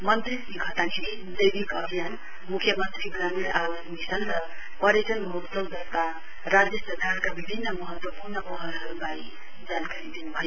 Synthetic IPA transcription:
mənt̪ɾisĩɡʰʱət̪anii | d̪ejbikʌɦijan | mukʰjəmənt̪ɾiɡɾamiɾawəsmisənɾʌ | pʌɾesənmɦutsəld͡zʌst̪a | ɾad͡ʒjəsəɾkaɾkabibʱinːəmʌɦət̪wəpuɾnəpɔɦəlɦəɾubai | d͡ʒalkaɾid̪inubʱaj

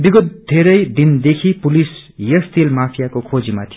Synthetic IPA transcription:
biɡʌt̪̚d̪ʱeɾʌjd̪ind̪ekʰipulisjʌst̪ilmapʰijakokʰod͡zimat̪ʰi

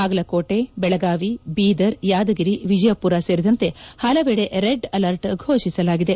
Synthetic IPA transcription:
aːɡɐlɐkoːʈebɛɭɐɡaːʋibiːd̪ɐɾjaːd̪ɐɡiɾiʋid͡ʒɐjɐpuɾaseːɾid̪ɐnt̪e̞hɐlɐʋeːɽeʔɾeɖɐlɐɾʈɡʱoːʃisɐlaːɡid̪e̞

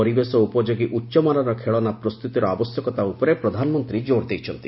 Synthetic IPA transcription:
ɔɾibesɔupɔd͡ʒoɡiʔutːʃɔmaɾɔɾɔkʰeɭɔnapɾɔst̪ut̪iɾɔabɔsjɔkɔt̪aupɔɾepɾɔd̪ʱanɔmɔnt̪ɾid͡ʒoɾd̪ejt͡ʃʰɔnt̪i

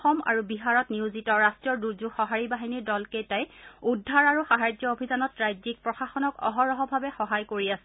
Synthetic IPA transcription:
xɔma̰ɹubiɦaɹɔtniuzitɔɹastɹiɔduzuxɔɦaɹibaɦiniɹdɔlkejtajudʱːaɹaɹuxaɦajd͡ʒɔobʱizanɔtɹajzik̚pɹɔxaxɔnɔkɔ̰ɦɔɹɔɦɔbʱabɛxɔɦajkoɹiasɛ

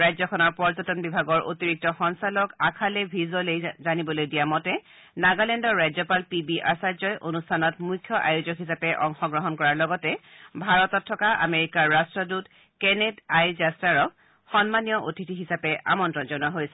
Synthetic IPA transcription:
ɹajzɔkʰɔnɔɹpɔɹzɔtɔnbibʱaɡɔɹʔo̰tiɹik̚tɔxɔnsalɔkakʰalebʱizolejzanibɔlojdijamɔtɛ | naɡalɛndɔɹɹajzɔpalpibiʔaɹsazɔjʔonustʰanɔtmujkʰːjɔʔa̰juzɔkɦisapɛʔɔŋxɔɡɹɔɦɔnkɔɹaɹlɔɡɔtɛbʱaɹɔtɔtʰːɔkaʔa̰meɹikaɹːastɹɔdut | kɛnedajzastaɹɔk̚ | xɔnmanijɔʔotitiɦisapɛʔa̰mɔntɹɔnzɔnuaɦojsɛ̥

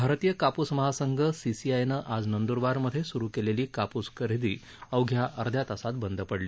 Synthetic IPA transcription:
bʱaɾt̪ijəkapusməɦasəŋɡʱəsisiajnəʔad͡znənd̪uɾʋaɾməd̪ʱjesuɾukeleliːkapuskəɾid̪iː | əwɡʱjaʔəɾd̪ʱjat̪asat̪̚bənd̪ʱəpəɽliː

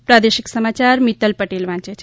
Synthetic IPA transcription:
pɾad̪eʃiksəmat͡ʃaɾmit̪əlpəʈelʋãt͡ʃet͡ʃʰe̥

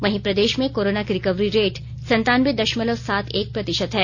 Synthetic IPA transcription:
ʋɐɦĩpɾɐd̪eːʃmẽkoːɾoːnakiɾɪkəʋɾiɾeːʈ | sɐ̃nt̪aːnmed̪ɐʃmələʋsaːt̪ʰeːk̚pɾɐt̪ɪʃət̪ɦɛː

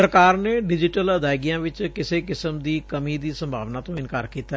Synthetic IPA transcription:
əɾkaːɾneːɖɪd͡ʒɪʈələd̪aːɪɡijãːʋɪt͡ʃkɪseːkɪsəmd̪iːkəmiːd̪iːsə̃mbʱa̰ːʋnaːt̪õːɪnkaːɾkiːt̪a

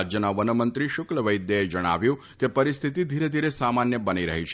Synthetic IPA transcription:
d͡ʒjənaʋənəmənt̪ɾiʃʊkləʋəjd̪jeed͡ʒəɽ̃a̰ʋjũ | kepəɾist̪ʰit̪id̪ʱiɾed̪ʱiɾesamanjəbəniɾə̰ɦit͡ʃʰ

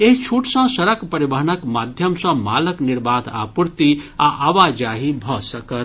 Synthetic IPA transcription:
eɦit͡ʃʰuʈsə̃səɾəkpəɾibəɦənəkmad̪ʱjəmsə̃maləkniɾbad̪a̰puɾt̪iaʔaʋad͡ʒaɦibʱɔsəkə

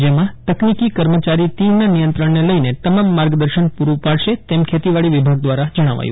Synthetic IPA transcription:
d͡ʒemãt̪əknikikəɾmət͡ʃaɾit̪inanijənt̪ɾəɳneləinet̪əmamːaɾɡd̪əɾʃənpuɾũpaɭʃet̪emkʰet̪iʋaɭiʋibʱaɡ̚d̪ʋaɾad͡ʒəɽ̃a̰ʋa̰jṵ̃

